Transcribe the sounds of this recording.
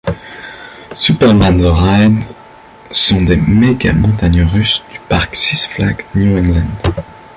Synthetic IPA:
sypɛʁmanzɔʁajn | sɔ̃d̪emeɡa̰mɔ̃t̪aɲøʁysd̪̥y̥paʁksisflaɡnjuɛ̃ŋlɛ̃nd̪

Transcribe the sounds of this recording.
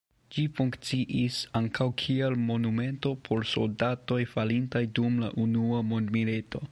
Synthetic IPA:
d͡ʒifuŋkt͡siʔisaŋkʰawkʰielmo̞nume̞nto̞pʰo̞ɾso̞̰ldato̞jfalintajdumla̰ʔunuamo̞ndmilitʰo̞

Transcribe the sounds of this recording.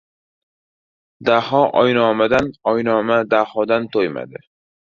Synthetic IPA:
d̪ahɒʔɒjnɒːmad̪anɒjnɒmad̪ahɒd̪ant̪ʰojma̰d̪ɪ

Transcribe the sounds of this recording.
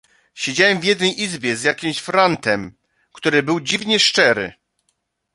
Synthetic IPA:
ɕed͡ʑawɛmvʲjɛd̪nɛjʔizbʲjɛzʲjakʲimɕfɾant̪ɛm | kt̪uɾɘbɘwd͡ʑivɲɛʂt͡ʂɛɾɘ̰

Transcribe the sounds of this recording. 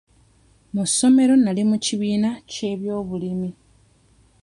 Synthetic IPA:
muso̞me̞ɾo̞nalimuciβiːnace̞βjo̞ːβulimi

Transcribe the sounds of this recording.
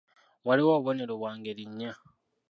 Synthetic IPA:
waliwoββone̞ɾoβwaːŋɡeɾiɲːa

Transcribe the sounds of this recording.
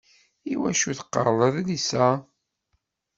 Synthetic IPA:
iwæʃuθqːə̰ɾlˤəðlisæ

